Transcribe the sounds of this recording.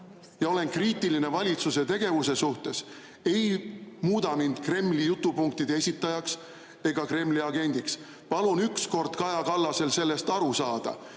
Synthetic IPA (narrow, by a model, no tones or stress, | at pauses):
jɑo̞le̞nkriːt̪ːˑiline̞vɑlʲit̪suse̞t̪e̞ɡ̥e̞vuse̞suht̪e̞s | e̞jmuːd̪̥ɑmind̪̥kre̞mːlijut̪ːˑupuŋk̚t̪id̪eesʲit̪ˑːɑjɑks | e̞ɡ̥ɑkre̞mːliɑɡe̞nʲd̪̥iks | pɑlunyksko̞rd̪̥kɑjɑkɑlːɑse̞lse̞lːe̞st̪ɑɾusɑːd̪̥ɑ̰